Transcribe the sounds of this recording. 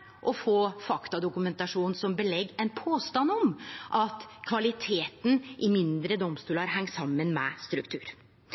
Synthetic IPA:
ʔɔfoːfɑkt̪ɑd̪ʊkʉmɛnt̪ɑʂuːnnsɔmbəlɛɡːɛnpʰoːst̪ɑnːɔmʔɑt̪kʰʋɑlɪt̪ʰeːt̪n̩ʔɪmɪnd̪ɾəd̪ɔmst̪uːlɑɾɦæŋːsɑmːənmɛst̪ɾʉkt̪ʰʉ̰ːɾ

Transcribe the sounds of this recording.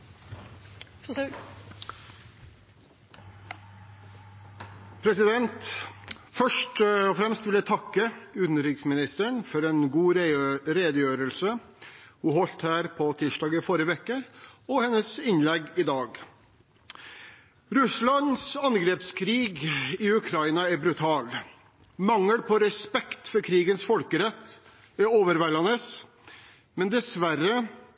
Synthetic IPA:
pʰɾɛsɪd̪ɛnt̪ | fœʂʈɔfɾɛmst̪ʋɪljæɪt̪ʰɑkːəʉːt̪nəɾɪksmɪnɪst̪əɳfɔɾɛːnɡuːɾɾeːd̪əjøːɾəlsə | huːhɔlt̪hæːɾpʰɔt̪ʰiːʂdɑːɡɪfɔɾjəʋɛkəɔhɛnːəsɪnlɛɡːɪd̪ɑːɡ | ɾʉslɑnsɑnɡɾeːpskʰɾiːɡɪʉkʰɾɑɪnɑæɾbɾʉt̪ʰɑːl | mɑŋːəɽpʰɔɾɛspɛkt̪fɔɾkʰɾiːɡənsfɔlkəɾɛt̪ː | ɛoːʋəɾʋɛlɑnəs | mɛnd̪ɛsʋæɾə

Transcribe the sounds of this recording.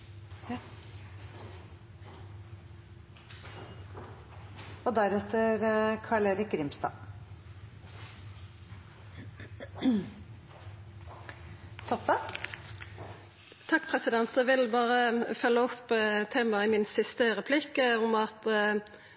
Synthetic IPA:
ɔd̪æɾɛt̪ːəɾkʰɑɭeːɾɪk̚ɡɾɪmst̪ɑ̰ː | t̪ʰɔpːə | t̪ʰɑkːpʰʁɛsɪd̪ɛnt̪ɛʋɪlbɑːʁəfœlːəɔpːt̪ʰeːmɑɪmɪnsɪst̪əʁɛpʰlɪkəʊmɑt̪

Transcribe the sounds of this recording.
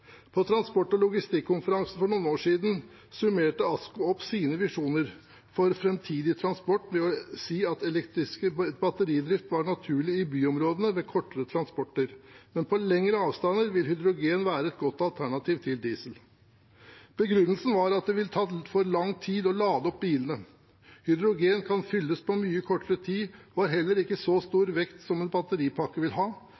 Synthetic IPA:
pʰɔt̪ʰɾɑnspɔʈːɔlʊɡɪst̪ɪkʰːʊnfəɾɑŋsn̩fɔɳuːnoːʂiːd̪n̩ | sʉmeːʈəɑskʊɔpːsiːnəʋɪʂuːnəɾ | fɔɾfɾɛmt̪ʰiːd̪ɪt̪ʰɾɑnspɔʈːmɛɔsiːɑt̪ɛlɛkt̪ɾɪskəbɑt̪əɾiːd̪ɾɪft̪ʋɑɳɑt̪ʰʉːɭɪɪbyːɔmɾoːd̪ənəmɛkʰɔʈːəɾət̪ʰɾɑnspɔʈːəɾmɛnpʰɔlɛŋɾəɑːʋst̪ɑnəɾʋɪlhʏd̪ɾʊɡeːnʋæːɾəɛt̪̚ɡɔt̪ːɑlt̪ʰæɳɑt̪ʰiːʋt̪ʰɪld̪iːsəl | b̥əɡɾʉnːəlsn̩ʋɑɾɑt̪̚d̪ɛʋɪlt̪ʰɑːfɔɾlɑŋt̪ʰiːd̪ɔlɑːd̪əɔp̚biːlənə | hʏd̪ɾʊɡeːnkʰɑnfʏlːəspʰɔmyːəkʰɔʈːəɾət̪ʰiːɔɑɾɦɛlːəɾɪkːəsɔst̪uːɾʋɛkt̪sɔmɛnbɑt̪əɾiːpʰɑkːəʋɪlɦɑː

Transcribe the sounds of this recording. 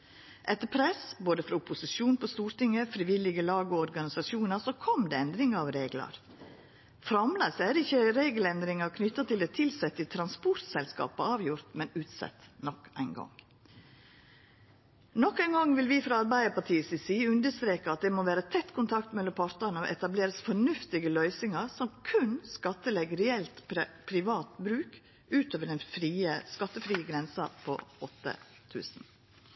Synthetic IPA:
ʔɛt̪ːəpʰɾɛsboːd̪əfɾɑʊpʊsɪʃuːnpʰɔst̪uːɾt̪ɪŋːəfɾɪʋɪlɪɡəlɑːɡɔɔɾɡɑnɪsɑʃuːnəsɔkʰɔmd̪ɛɛnd̪ɾɪŋəɑʋɾeːɡlɑ̰ɾ | fɾɑmlæsæːd̪ɛɪçːəɾeːɡəlɛnd̪ɾɪŋɑɾkʰnʏt̪ːɑt̪ʰɪlɛt̪ʰɪlsɛt̪ːɪt̪ʰɾɑnspɔɾt̪sɛlskɑ̰ːpəɑːʋjʊɾt̪mɛnʉːt̪sɛ̰t̪nɔkæ̰ɪnɡɔ̰ŋ | nɔkːæɪnɡɑŋʋɪlʋɪfɾɑɑɾbæɪəpɑʈʰiːəsɪsiːʉnd̪əst̪ɾeːkəɑt̪̚d̪ɛmoːʋæːɾət̪ʰɛt̪ːkʰʊnt̪ʰɑkt̪mɛlːɔmpʰɑɾt̪ənəo̰ʔɛt̪ɑbleːɾəsfɔɳʉft̪ɪɡəlœʏsɪŋɑɾsɔmkʰʉnskɑt̪ːəlɛɡəɾɛɛlt̪ppʰɾɪʋɑːt̪bɾʉːk | ʔʉːt̪øːʋəɖɛnfɾiːəskɑt̪ːəfɾiːəɡɾɛnsɑpʰɔ̰ɔt̪ːə̰ | t̪ʰʉ̰ːsn̩

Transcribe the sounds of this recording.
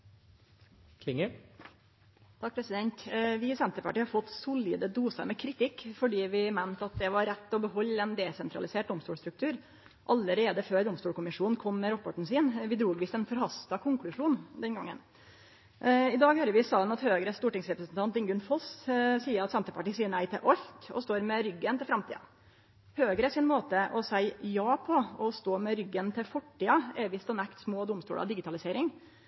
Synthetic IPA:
kʰlɪŋə | t̪ʰɑk̚ːpʰɾɛsɪd̪ɛnt̪ʋɪsɛnt̪əpɑ̰ʈiːhɑɾfɔt̪ːsʊljə̰d̪əd̪uːsə̰mɛkʰɾɪt̪ɪkːfɔɖiːʋɪmæɪnt̪ɑt̪̚d̪ɛʋɑɾːɛt̪ːɔbəɦɔlːɛnd̪ɛsɛnt̪ɾɑ̰lɪseːʈ̚d̪ɔmst̪uːlst̪ɾʉkt̪ʰʉːɾ | ʔɑləɾeːd̪əføːɾd̪ɔmst̪uːlkʊmɪʂuːnn̩kʰɔmːɛɾɔpːɔʈɳ̩siːnʋɪd̪ɾuːɡʋiːsɛnfɔɾhɑst̪ɑkʰʊŋklʉʂuːnd̪ɛnɡɑ̰ŋːə̰n | ɪd̪ɑːɡhøːɾəɾʋɪsɑːnɑt̪høːɡɾəst̪uːʈɪŋsɾɛpɾəsnt̪ʰɑnt̪̚ɪŋɡʉnfɔssiːəɾɑt̪sɛnt̪əɾpɑʈiːsiːəɳæɪt̪ɪ̰lʔɔɾkɔ̰st̪oːɾmɛɾʏɡːənt̪ʰɪlfɾɑmt̪ʰḭːɑ̰ | høːɡəɾɛʂɪnmoːt̪əʔɔsæɪjɑːpʰɔɔst̪oːmɛɾʏɡːənt̪ʰɪlfɔʈːiːɑɛʋɪst̪ɔnækt̪smoːd̪ʊmst̪ṵːlʔɑ̰d̪ɪɡɪt̪ʰɑlɪseːɾɪŋ

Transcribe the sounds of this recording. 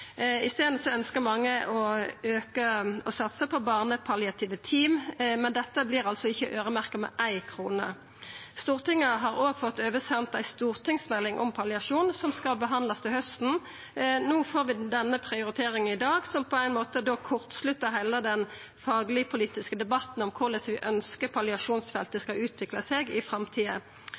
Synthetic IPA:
ɪst̪eːd̪n̩sɔœnskəmɑŋːəɔøːkəɔsɑt̪səpʰɔbɑːʁnəpʰɑlɪɑt̪ʰiːʋət̪ʰiːmmɛnd̪ɛt̪ːəblɪːʁɑlsɔɪçːəʔøːʁəmæʁkəmɛ̰ʔæɪkʰʁuːnə | st̪uːʁt̪ɪŋːəɦɑʁoːɡfɔt̪ːøːʋəsɛnt̪æɪst̪uːʁt̪ʰɪŋsmɛlːɪŋʔɔ̰mpʰɑlɪɑʂuːnsɔmskɑlbəɦɑnd̪lɑst̪ʰɪlhœst̪n̩ | nuːfoːʁʋɪd̪ɛnːəpʰʁɪʊɾɪt̪ʰeːɾɪŋənɪd̪ɑːɡsɔmpʰɔæɪnmoːt̪əd̪okʰʊʁt̪slʉt̪ːəɦɛlːəd̪ɛn | fɑːɡlɪpʰʊliːt̪ɪskəd̪ɛbɑt̪n̩ɔmkʰʊʁlɛsʋɪʔœnskəpʰɑlɪɑʂuːnsfɛlt̪əskɑʉːt̪ʰʋɪklɑsɛɡɪfʁɑmt̪ʰiːə̰

